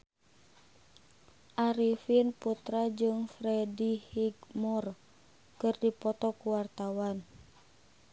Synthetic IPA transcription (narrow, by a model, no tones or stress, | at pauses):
ʔaɾifinput̪ɾad͡ʒɨŋfɾɛdihiɡmɔr | kɨrdipɔt̪ɔkuwart̪awan